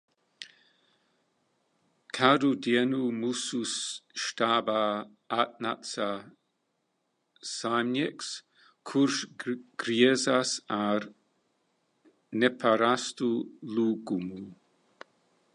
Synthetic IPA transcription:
kʰadudjɛnumususʃt̪aba | at̚natsa | samɛks | kʰuɾʃɡ̥ɾiɛzasaɾ | nɛpʰaɾast̪uluɡumu

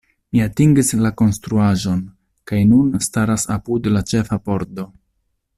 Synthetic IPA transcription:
miatiŋɡislako̞nstɾuaʒo̞n | kajnunstaɾasapudlat͡ʃe̞fapo̞ɾto̞

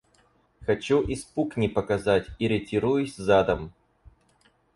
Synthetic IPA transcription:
xɐt͡ɕuʔɪspuknʲɪpəkɐzatʲɪɾʲɪtʲiɾujʊsʲzad̪əm

